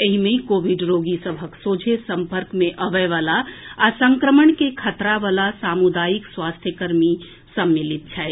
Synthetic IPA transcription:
eɦimeikoʋiɖɾoɡisəbʱəksod͡ʒʱesəmpəɾkmeʔəʋɛʋalaasəŋkɾəməɳkekʰət̪ɾaʋalasamud̪ajikswast̪ʰjəkəɾmi | səmːilit̪̚t͡ʃʰaj

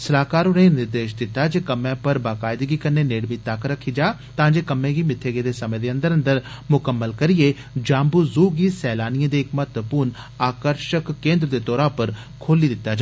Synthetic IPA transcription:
səlaːkaːɾʊnẽːnɪɾd̪eːʃd̪ɪt̪ːaːd͡ʒeːkəmːẽːpəɾbaːkaːɪd̪ɡiːkənːeːneːɽmiːt̪akɾəkʰːiːd͡ʒaː | t̪ãːd͡ʒeːkəmẽːɡiːmɪt̪ʰːeːɡed̪eːsəmẽːd̪eːə̃nd̪əɾə̃nd̪əɾmʊkəmːəlkəɾɪjeː | d͡ʒãːmbuːzuːɡiːsɛːlaːnɪẽːd̪eːɪkmət̪əpuːn | aːkəɾʃəkːẽːnd̪ɾəd̪eːt̪ɔːɾaːʊpəɾ | kʰoːliːd̪ɪt̪ːaːd͡ʒaː

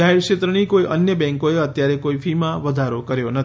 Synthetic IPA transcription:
aɦeɾʃet̪ɾəɳ̃ikoiʔə̰njəbɛ̃ŋkoeət̪jaɾekoifʰimãʋəd̪ʱaɾokəɾjonə

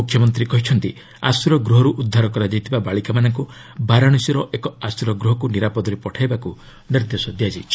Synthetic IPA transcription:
ukʰːjɔmɔnt̪ɾikɔɦit͡ʃʰɔnt̪i | a̰sɾɔɡɾuɦɔɾuʔud̪ʱːaɾɔkɔɾad͡ʒajt̪ʰibabaɭikamanɔŋku | baɾaɽ̃usiɾɔʔekɔasɾɔɡɾuɦɔkuniɾapɔd̪ɔɾepɔʈʰajbaku | niɾd̪esɔd̪ijad͡ʒi

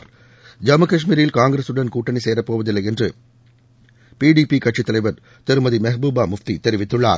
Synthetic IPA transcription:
d͡ʒɐmɐkɐʂmiːɾɪlkaːŋɡɾesɯɽɐnkuːʈːɐniseːɾɐpːoːʋɐðɪlːɐɪɛndrɯ | piːɽiːpikɐʈt͡ʃɪt̪ːɐlɐɪʋɐɾ | t̪ɛɾɯmɐðimɐɦbuːbaːmʊft̪it̪ɛɾɪʋɪt̪ːɯɭːa̰ːɾ

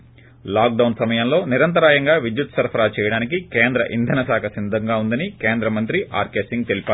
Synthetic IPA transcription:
laːk̚ɖɐwnsɐmɐjɐmlo̞ːniɾɐnt̪̬ɐɾaːjɐŋɡaːʋid̪jut̪sɐɾpʰɐɾaːt͡ʃɛːjɐɽaːnikikeːnd̪ɾɐ̰ʔḭnd̪ʱɐnɐsaːkʰɐsind̪ʱɐŋɡaːund̪ɐnikeːnd̪ɾɐmɐnt̪ɾiʔa̰ːɾkeːsiŋɡ̚t̪elipaː

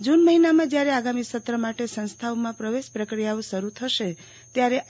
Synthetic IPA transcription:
d͡ʒunməɦinamãd͡ʒjaɾeaɡamisət̪ɾəmaʈesə̃nst̪ʰaomãpɾəʋespɾəkɾijaõsəɾut̪ʰəʃe | t̪jaɾe

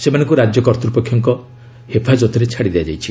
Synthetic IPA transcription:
semanɔ̃ŋkuɾad͡ʒjɔkɔɾt̪ɾupɔkʰjɔŋkɔ | hepʰad͡ʒɔt̪ɔɾet͡ʃʰaɽid̪ead͡ʒajt͡ʃʰi

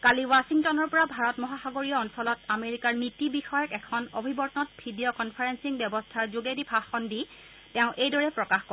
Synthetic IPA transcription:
kaliwasiŋtɔnɔɹpɔɹabʱaɹɔtmɔɦaxaɡoɹijɔɔnsɔlɔtameɹikaɹnitibixɔjɔkɛkʰɔnobʱibɔɹtnɔt̚bʱidiɔkɔnpʰaɹensiŋbɛbɔstʰaɹzoɡedipʰaxɔndi | tɛʊ̃ʔejdɔɹɛpɹɔkaxkɔ

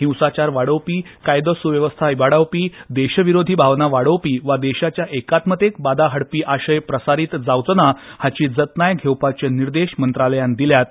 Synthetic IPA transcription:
ɦĩwsat͡ɕaɾʋaɽəwpiːkajd̪əsuʋjəʋəst̪ʰaibaɽawpiːd̪eɕəʋiɾod̪ʱiːbʱaʋnaʋaɽəwpiːʋad̪eɕat͡ɕjaʔekat̪mət̪ek̚bad̪aɦəɽpiːʔaɕəjpɾəsaɾiːt̪d͡zawt͡sənahat͡ɕiːd͡zət̪najɡʱewpat͡ɕeniɾd̪eɕmənt̪ɾaləjand̪iljat̪̚

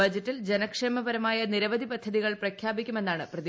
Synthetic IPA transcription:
ɐd͡ʑɐtːɐld͡ʑenɐkʂeːmɐbɐɾɐmaːjɐniɾɐʋɐd̪ʱipɐd̪ʱːɐðiɣɐɭprɐkʰjaːbikʲːume̞nːaːɳɨprɐði

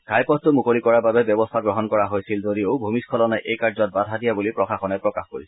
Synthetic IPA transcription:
ɡ̥ʱajpɔttʊmukoikɔɹababɛbjɔbɔstʰaɡɹɔɦɔnkɔɹaɦojsilzodijoʊbʱumiskʰɔlɔnajʔejkazɔt̚badʱadijabulipɹɔxaxɔnɛpɹɔkaxkoɹis

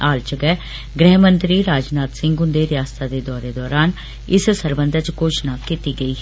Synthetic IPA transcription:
aːlt͡ʃəɡɛː | ɡɾɛɦmənt̪ɾiːɾaːd͡ʒnaːt̪sɪ̃ŋɡʊnd̪eːɾɪjaːst̪aːd̪eːd̪ɔːɾeːd̪ɔːɾaːn | ɪssəɾbənd̪ʱət͡ʃkoːt͡ʃnãːkit̪iːɡəiː

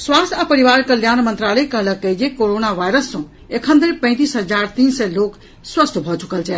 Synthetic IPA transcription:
swaːst̪ʰapəɾiʋaɾkəljaːnmənt̪ɾaləkəɦləkːəd͡ʒekoɾonaʋaːɪɾəsːɔ̃ | ekʰə̃nd̪əɾpə̃ɪ̃t̪̬iːsɦəd͡ʒaɾt̪iːnsɛloːk | swəst̪ʰbʱɔt͡ʃu̥kəlt͡ʃʰɛ

